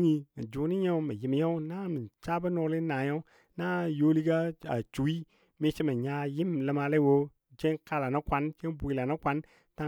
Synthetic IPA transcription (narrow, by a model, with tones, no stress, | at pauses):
ɲi˨mə˨d͡ʒu˨ni˦ɲa˦u˦mə˨ji˨m˨ja˦u˦na˦mə˨t͡ʃa˦bə˦no˨li˦na˨ja˦u˦ | na˦jo˦li˦ɡa˦a̰˨t͡ʃu˨˦i˦ | mi˦t͡ʃi˦mə˨ɲa˦ji˦mlə˨ma˧le˦wo˦ | d͡ʒe˦nka˦la˨na˦kʷa˦nt͡ʃe˦nbʷu˨i˨la˨na˦kʷa˦n | ta˦